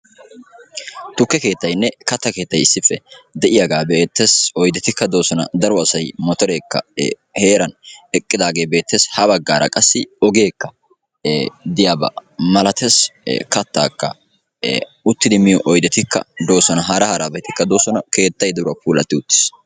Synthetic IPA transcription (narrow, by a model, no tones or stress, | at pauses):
t̪ʊkːɛke̞ːt̪ːɐjnːɛkɐt̪ːɐke̞ːt̪ːɐjɪsːɪfːɛd̪ɛʔɪjaɡaːbeːt̪ːeːsɔjd̪ɛt̪ɪkːɐd̪o̞ːsɔnɐ̰d̪ɐɾɔɐsɐjmɔt̪ɔɾe̞ːkːɐ̰ | he̞ːɾɐnɛkʼːɪd̪aːɡe̞ːbe̞ːt̪ːeːshɐbɐɡːaːɾɐ̰kʼɐsːɪɔɡe̞ːkːɐ | d̪ɪjaːbɐ̰mɐlɐt̪ʰeskɐt̪ːa̰ːkːɐ̰ | ʊt̪ːɪd̪ɪmɪjɔʔɔjd̪ɛt̪ɪkːɐ̰d̪o̞ːsɔnɐɦɐɾɐhɐɾaːbɛt̪ɪkːɐd̪o̞ːsɔnɐke̞ːt̪ːɐjd̪ɐɾʊɐpuːlɐ̰t̪ːɪʊt̪ːɪ̥s